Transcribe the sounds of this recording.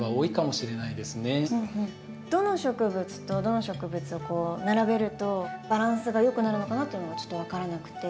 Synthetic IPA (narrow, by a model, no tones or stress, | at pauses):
ɡaoːikamo̞ɕiɾe̞naid̪e̞sɨne̞ɯ̃ːhɯ̟̃ɴ | d̪̥o̞no̞ɕo̞kɯ̟bɯ̟t͡sɨ̥t̪o̞d̪o̞no̞ɕo̞kɯ̟bɯ̟t͡sɨo̞ko̞ːnaɾabe̞ɾɯ̟t̪o̞b̥aɾãɰ̃sɨɡajo̞kɯ̟naɾɯ̟no̞kanat̪ːo̞jɯ̟noat͡ɕo̥t̪ːo̞β̞akaɾanakɯ̟̥t̪e̞